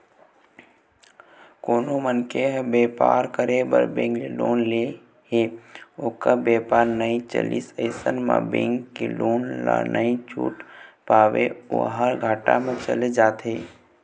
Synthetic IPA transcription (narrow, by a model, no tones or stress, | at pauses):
koːnomənkeɦbeːpa̰ːɾkəɾebə̰ɾbẽːŋɡleloːnle | heoːkəbeːpaːɾnəĩt͡ʃə̰lḭsəɪsənmã̰bḛ̃ːŋkːeloːnla̰nəĩt͡ʃṵːʈpaːʋeṵɦaɾɡʱaːʈa̰mẽt͡ʃə̰led͡ʒaːt̪ʰeː